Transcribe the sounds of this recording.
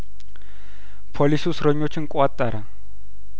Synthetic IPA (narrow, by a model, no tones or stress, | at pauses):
pʰolisiusrɔɲot͡ʃʰiŋ̩kʼwat̪ʼaɾa